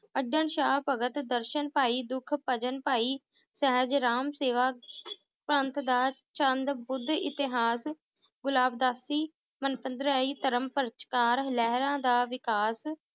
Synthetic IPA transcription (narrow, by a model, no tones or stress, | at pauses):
əɖəɳʃaːɦpəɡət̪d̪əɾʃənpaːiːd̪ʊkʰpəd͡ʒənpaːiː | səɦəd͡ʒɾaːmseːʋaː | pɾənt̪d̪aːt͡ʃənd̪bʊd̪ɪ̰t̪ɪɦaːs | ɡʊlaːbd̪aːsiː | mənpənd̪ɾaːiːt̪əɾəmpəɾt͡ʃkaːɾlɛɦɾãːd̪aːʋɪkaːs